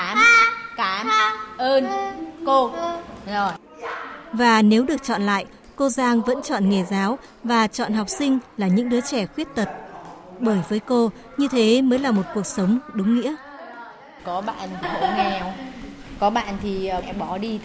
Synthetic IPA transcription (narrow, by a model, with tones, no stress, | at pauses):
aː˨˦mkaː˨˦mʔəː˧nko˧zo˨˩j | vaː˨˩ne˨˦wɗɨ˨˩ək̚t͡ɕɔ̰˧˨nla̰ː˧˨j | ko˧zaː˧ŋvə̰˧˥nt͡ɕɔ̰˧˨nŋe˨˩zaː˨˦w | vaː˨˩t͡ɕɔ̰˧˨nɦa˨˩wk͡p̚sï˧ŋ̟laː˨˩ɲɨ̰˧˥ŋɗɨ˨˦t͡ɕɛ˧˩xwi˦˥ət̚t̪ə˨˩t̚ɓəː˧˩jvəː˨˦jko˧ | ɲɨ˧t̪ʰe˨˦məː˨˦jlaː˨˩mo˨˩t̚ku˨˩ək̚sə˨˦wŋ͡mɗʊ˨˦ŋ͡mŋḭ˧˥ə | kɔ˨˦ɓa̰ː˧˨nt̪ʰi˨˩ɓo˧˦ŋɛ˧˩wkɔ˨˦ɓa̰ː˧˨nt̪ʰiː˨˩˨ɓɔ˨˦ɗi˧